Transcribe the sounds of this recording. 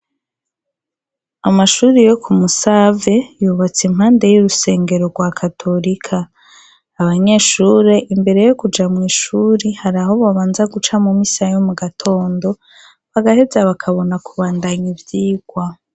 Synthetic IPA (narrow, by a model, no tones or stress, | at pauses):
amaʃuːɾejo̞kʰumusave̞juβat͡simhaːnde̞juɾuse̞ːŋɡe̞ɾo̞ɡwakʰatʰo̞ɾikʰaː | βaɲe̞ːʃuːɾe̞ʔimbe̞ɾe̞jo̞kud͡ʒamŋiːʃuːɾihaɾaɦo̞βaβaːnzaɡut͡ʃamumisajomuɡatʰo̞ːndo̞ | βaɡahe̞zaβakʰaβo̞nakuβaːndaɲivjiːɡ̥wa